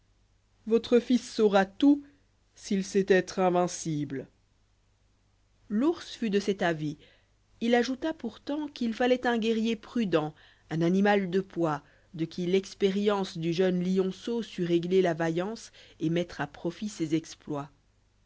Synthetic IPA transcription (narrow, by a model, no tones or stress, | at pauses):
vɔt̪χəfisːɔʁat̪u | silsɛt̪ɛt̪χɛ̃vɛ̃sibl | luʁsfyd̪əsɛt̪avi | ilaʒut̪apuʁt̪ɑ̃kilfalɛt̪ɛ̃ɡʲɛʁjepχyd̪ɑ̃ | ɛ̃nanimald̪əpwa | d̪əkʲʰilɛkspeʁjɑ̃sd̪yʒœnliɔ̃sosyʁeɡlelavajɑ̃semɛt̪χapχɔfisezɛksplwa